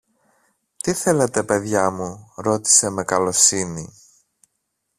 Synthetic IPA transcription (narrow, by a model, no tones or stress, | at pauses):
t̪iθe̞let̪e̞pe̞ðʝɐmuɾo̞t̪i̥se̞me̞kɐlo̞sini